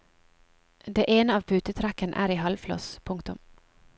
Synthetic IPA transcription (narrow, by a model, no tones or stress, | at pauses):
d̪eːʔeːnəɑːʋpʰʉːt̪ət̪ʰɾækənʔæ̰ːɾiːhɑlflɔ̰spʰʊŋkt̪ʊm